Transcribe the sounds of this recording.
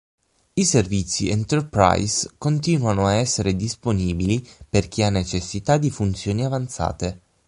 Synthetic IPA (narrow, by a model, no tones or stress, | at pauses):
iservit̪sːiɛnt̪erpɾa̰jskont̪iːnwanoaɛsːeɾed̪isponiːbiliperk̟ianːet͡ʃesːit̪ad̪ifunt̪sjoːniavant̪sa̰ːt̪e